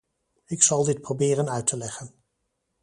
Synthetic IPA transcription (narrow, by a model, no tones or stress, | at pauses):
ɪksɑlˠdɪt̚prowbɪːrənœɥtʰəlɛχən